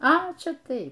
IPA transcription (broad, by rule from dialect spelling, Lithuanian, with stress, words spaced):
ɐ ˈt͡ʃʲɛ ˈtɐɪ